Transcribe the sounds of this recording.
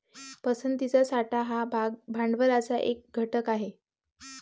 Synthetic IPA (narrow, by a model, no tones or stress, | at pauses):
pəsənt̪it͡sasaʈaɦabʱaɳɖʋəɾat͡saʔek̚ɡʱəʈəkaɦe